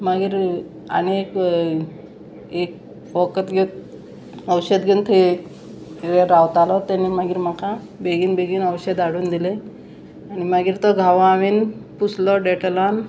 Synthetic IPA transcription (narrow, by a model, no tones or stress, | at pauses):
maɡiːɾ | ə̰nek | ek | ʋəkət̪ɡet̪̚ | əwɕed̪ɡent̪ʰe | ɾeɾawt̪alɔt̪animaɡiːɾmakʰa | beɡiːnbeɡiːnəwɕed̪aɽuːnd̪ile | añimaɡiːɾt̪ɔɡʱaʋaʋiːnput͡sʰlɔɖeʈlan